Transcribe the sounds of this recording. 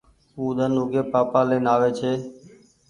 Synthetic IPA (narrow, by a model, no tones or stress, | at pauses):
uːd̪ənoːɡeːpaːpaːleːnaːʋeːt͡ʃʰeː